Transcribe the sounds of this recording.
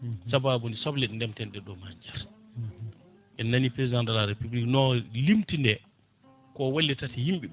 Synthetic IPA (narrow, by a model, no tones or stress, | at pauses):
sababunisɔblɛɗndɛmtɛndɛɗɔmaɲd͡ʒɛɾ | ɛnːanipɾezidandalaɾepubliknɔlimtindɛ | kɔwalːitatihimɓɛ